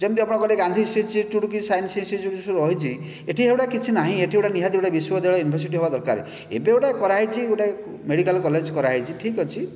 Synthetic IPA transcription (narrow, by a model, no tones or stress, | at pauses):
d͡ʒemt̪iapɔɽ̃ɔkɔlekand̪ʱisʈet͡ʃiʈuʈuk̬isajnsinsid͡ʒuʈusuɾɔɦit͡ʃʰi | eʈʰiewʈakit͡ʃʰinaɦĩeʈʰiewɽaniɦad̪iewʈabiswɔd̪eɭɔjunibʱɔɾs̬iʈiɦobad̪ɔɾkaɾḛ | ḛbeewʈakɔɾaɦit͡ʃʰioʈa | meɽikalkɔled͡ʒkɔɾaɦit͡ʃʰiʈʰikɦɔt͡ʃʰi